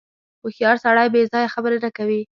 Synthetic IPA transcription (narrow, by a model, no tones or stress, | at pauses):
ʊxjɑɾsaɽɑjbezɑjaxabəɾeɾakawi